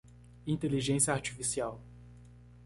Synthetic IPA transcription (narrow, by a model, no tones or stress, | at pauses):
ĩnt̪eliʒẽsijɐaɾt͡ʃifisiaw